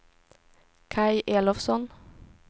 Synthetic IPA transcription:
kʰɑɪʔeːlɔfsɔn

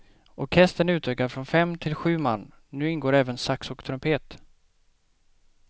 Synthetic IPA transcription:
ʔɔɾkʰɛst̪ənʉ̟ːt̪ʰøːkaɾfɾɔnfɛmt̪ʰɪlɧʉ̟ːma̰nː | nʉ̟ːɪnɡoːɾɛːvənsaksɔkt̪ʰɾɵmpʰeːt̪

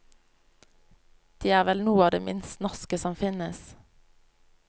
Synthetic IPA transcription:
d̪̥iːæːʁʋɛlnuːəɑːʋd̪ḛːmɪ̰nst̪nɔʁskəsɔmfɪnəs

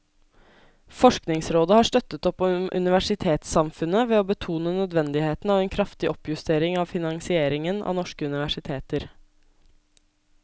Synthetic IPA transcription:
fɔʂknɪŋsɾoːd̪əhɑːʂt̪œt̪ət̪ɔpːomʔʉ̰nɪʋæʂɪt̪ʰeːt̪sɑmfʉnəʋeːoːbət̪ʰuːnənœd̪ʋɛnd̪ɪheːt̪n̩ɑːʋeːnkʰɾɑft̪ɪʔɔpːjʉst̪ʰeːɾɪŋɑːʋfɪnɑŋsɪeːɾɪŋənʔɑ̰ːnɔʂkəʉnɪʋæʂɪt̪ʰeːt̪əɾ

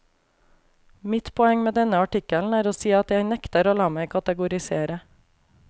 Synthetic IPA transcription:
mɪt̪pʰɔɛŋmeːd̪ɛnəɑʈɪkəln̩æːɾoːsiːɑt̪jæɪnɛkt̪əɾoːlɑːmæɪkʰɑt̪əɡʊɾɪseːɾə

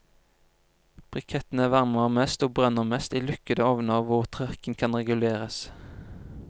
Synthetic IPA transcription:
b̥ʁʏkʰɛt̪n̩æːʋæʁməʁmɛst̪oːbʁœnəʁmɛst̪iːlʏkəd̪əɔʋnəʋʊʁt̪ʰʁœʁkən̩kʰɑnʁɛɡʉleːʁəs

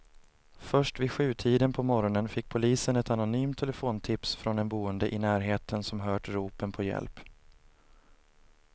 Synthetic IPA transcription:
fœʂʈvɪɧʉ̟ːt̪ʰiːd̪ənpʰɔmɔɾɔnənfɪk̚ːpʰʊliːsənɛt̪anʊnyːmt̪ʰːɛləfoːnt̪ʰɪpsfɾɔnɛnbuːənd̪əʔɪnæːɾɦeːt̪ʰənsɔmɦœːʈɾuːpənpʰɔjɛ̰lp

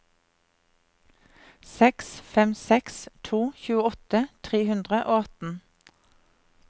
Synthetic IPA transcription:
sɛksfɛmsɛkst̪ʰuːçʉːəɔt̪ət̪ʰʁeːhʉnd̪ʁəʔoːɑt̪n̩

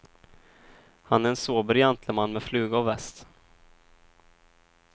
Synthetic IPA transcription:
hanæɾɛnsoːbəɾjant̪ʰləmanːmɛflʉ̟ːɡaɔvɛst̪

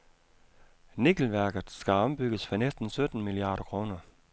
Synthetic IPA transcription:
niɡ̥l̩ʋæɐɡ̥ð̩ˠsɡ̥æɒ̽mb̥yɡ̥əsfɒnesd̥n̩sød̥n̩miliɑ̰̈ːɾ̥ɐkʰʁo̝ːnɐ

